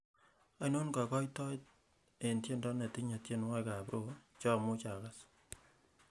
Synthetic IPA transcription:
a˦no˦nka˨kɔ˦jtɔ˦t̚ | e˨ntje˦ndɔ˦ne˨ti˦ɲa˨tje˦nwa˦ka˨bɾo˦t͡ʃɔ˦mʊ˦t͡ʃa˨ka˦s

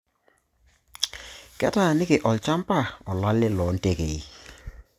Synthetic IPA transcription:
kɛ̰˦ta˦˨nɪ˦kɪ˨ʔɔ˨lt͡ʃa˦mpa˦˨ɔ˨la˦lːɪ˦lɔ˨˦n̩˦te˦ke˨i˦˨

